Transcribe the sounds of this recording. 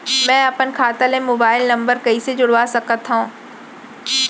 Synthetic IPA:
mɛ̃ːɐpənkʰaːt̪əlẽmoːbaːɪlnɐ̃mbəɾkɐised͡ʑʊɽʋaːsɐkət̪ːɦãː

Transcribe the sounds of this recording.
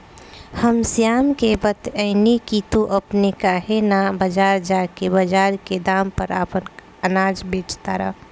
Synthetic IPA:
həmsijaːmkebət̪əɪnikit̪oʔəpnekaːɦenabəd͡ʒaːɾd͡ʒakebəd͡ʒaːɾked̪aːmpəɾa̰ːpən | ənaːd͡ʒbeːt͡ʃt̪aɾə̰

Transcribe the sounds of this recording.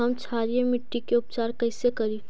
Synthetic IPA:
ɦɐmt͡ʃʰaːɾijemɪʈːikeʊpt͡ʃaːɾkɐɪsekɐɾi

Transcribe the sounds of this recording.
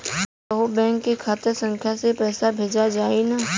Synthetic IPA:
əɦobɛ̃ːŋkːikʰaːt̪eɾsə̃ŋkʰjasepɛːsabʱeːd͡ʒad͡ʒaːina

